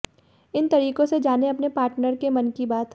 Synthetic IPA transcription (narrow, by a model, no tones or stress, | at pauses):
ɪnt̪ɐɾiːkõsed͡ʒaːneɐpnepaːɾʈnəɾkemɐnkibaːt̪